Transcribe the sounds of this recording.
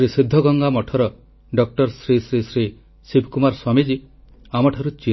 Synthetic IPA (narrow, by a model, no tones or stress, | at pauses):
ɾisid̪ʱːɔɡɔŋɡamɔʈʰɔɾɔ | ɖɔk̚ʈɔɾsɾisɾisɾi | sibʱkumaɾswamid͡ʒi | amɔʈʰaɾut͡ʃi